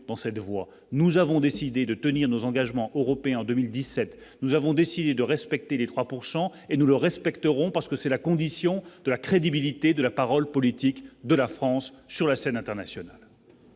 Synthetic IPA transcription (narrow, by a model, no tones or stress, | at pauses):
d̪̥ɑ̃sɛt̪vwa | nuzavɔ̃d̪esid̪ed̪ət̪əniʁnozɑ̃ɡaʒmɑ̃ʔøʁɔpeɛ̃ɑ̃d̪ømild̪isɛt̪nuzavɔ̃d̪esid̪ed̪əʁɛspɛk̚t̪elet̪χwapuʁsɑ̃enuləʁɛspɛkt̪əʁɔ̃paʁsə̥kəsɛlakɔ̃d̪isjɔ̃d̪əlakχed̪ibilit̪ed̪əlapaʁɔlpɔlit̪ikd̪əlafχɑ̃sːyʁlasɛnɛ̃t̪ɛʁnasjɔnal